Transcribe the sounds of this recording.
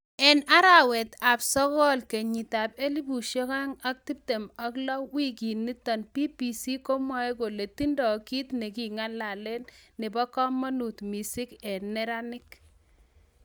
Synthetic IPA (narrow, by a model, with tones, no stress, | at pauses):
ɛ˨na˦ɾa˨wɛ˨t̪a˨psɔ˦kɔ˦lke˨ɲi˨ta˨p̚e˦li˦bu˨ʃɔ˦ka˦ŋa˦k̚ti˦p̚te˨ma˦klɔ˦wi˦ki˨nːi˦tɔ˨npi˦pi˨si˦ko˦mwa˦e˦ko˨le˨ti˦ndɔ˨ki˦t̪nɛ˨ki˨ŋa˦la˨lɛ˦nnɪ˨bɔ˦kɔ˦mːɔ˦nu˨tmi˨si˦kɛ˨nɛ˦ɾa˦nɪ˦k